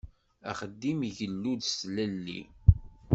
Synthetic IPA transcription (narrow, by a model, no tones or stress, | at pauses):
æ̰χəd̪ːimʝəlːuðslælːḭ